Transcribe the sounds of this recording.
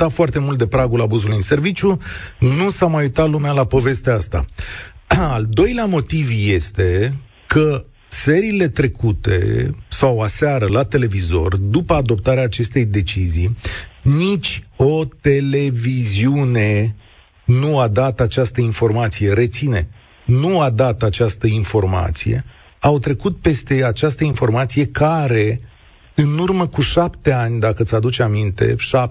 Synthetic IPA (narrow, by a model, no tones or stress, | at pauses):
t̪at̪foart̪e̞mult̪̚d̪epɾaɡulabuzulujɨnse̞rvit͡ʃʲjunusamajujt̪at̪lumealapo̞ve̞st̪east̪a̰ | ald̪o̞jleamo̞t̪ivje̞st̪e̞ | kʰə | se̞ɾiːle̞t̪ɾe̞kut̪e̞̰sawasaɾəlat̪e̞le̞vizo̞rd̪upəad̪o̞p̚t̪aɾeaːt͡ʃe̞st̪e̞jd̪e̞t͡ʃizijnit͡ʃʲo̞t̪e̞le̞viziune̞ | nuad̪at̪at͡ʃast̪əinfo̞rmat̪sije̞ɾe̞t̪sine̞ | nuad̪at̪at͡ʃast̪əinfo̞rma̰t̪sije̞̰ | awt̪ɾe̞kut̪̚pe̞st̪e̞at͡ʃast̪əinfo̞rmat̪sije̞kaɾe̞ | ɨnurməkuʃapt̪e̞anʲd̪akət̪sad̪ut͡ʃamint̪e̞̰ʃap